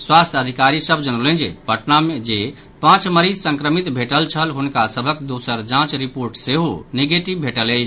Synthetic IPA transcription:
swast̪ʰəd̪ʱikaɾisəbʱd͡ʒənələ̃nd͡ʒebʱəʈnamed͡ʒe | pãt͡ʃməɾid͡ʒsə̃ŋkɾəmit̪bʱeʈəlt͡ʃʰəlɦunkasəbʱəkd̪osəɾd͡ʒãt͡ʃɾipoɾʈseɦoniɡeʈibbʱeʈələ

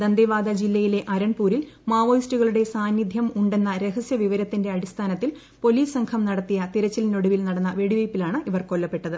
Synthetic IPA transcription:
d̪ɐnd̪eʋaːd̪ɐd͡ʑilːɐjile̞ʔɐɾɐɳpuːɾil | maːʋoːjstuɣɐɭuɽe̞saːnjid̪ʱjɐmuɳɖe̞nːɐɾe̞ɦɐsjɐʋiʋɐɾɐt̪ːinde̞ɐɽist̪ʰaːnɐt̪ːil | po̞liːssɐŋkʰɐmnɐɽɐt̪ːijɐt̪iɾɐt͡ɕːɐlino̞ɽuʋilnɐɽɐnːɐʋeɽiʋɐjpːilaːɳɨʔiʋɐrko̞lːɐpːe̞ʈːɐðɨ

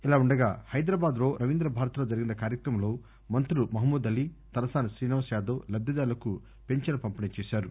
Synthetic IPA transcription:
ilaːuɳɖɐɡa̰ːhɐjd̪ɾaːbaːd̪lo̞ːɾʔɐʋind̪ɾɐbʱaːɾɐt̪ɐlo̞ːd͡ʒɐɾiɡinɐkaːɾjɐkɾɐmɐlo̞ː | mɐnt̪ɾuumɐɦmuːd̪ɐlːit̪ɐɾɐsaːnɐsɾiːnɐʋɐsjaːd̪oːlɐb̪jɐd̪aːlɐku | pe̞ɲt͡ʃɐnɐpɐmpɐnit͡ʃeːʃaːɾu

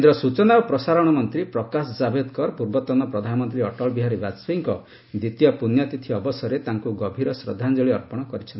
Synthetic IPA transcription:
end̪ɾɔsut͡ʃɔnaopɾɔsaɾɔɽ̃ɔmɔnt̪ɾipɾɔkasɔd͡ʒabed̪kɔɾpuɾbɔt̪ɔnɔpɾɔd̪ʱanɔmɔnt̪ɾiɔʈɔlbiɦaɾibasiŋkɔ | d̪it̪ijɔpunjɔt̪it̪ʰiɔbɔsɔɾet̪aŋkuɡɔbʱiɾɔsɾɔ̰d̪ʱːand͡ʒɔɭiɔɾpɔɽ̃ɔkɔɾit͡ʃʰɔnti

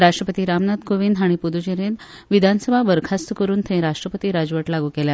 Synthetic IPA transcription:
ɾaʂʈɾəpət̪iːɾamnad̪koʋiːnd̪ɦaɽ̃ipud̪ud͡ʑeɾẽn | ʋid̪ʱansəbʱabəɾkʰast̪kəɾuːnt̪ʰẽɾaʂʈɾəpət̪iːɾad͡zʋəʈlaɡuːkelja

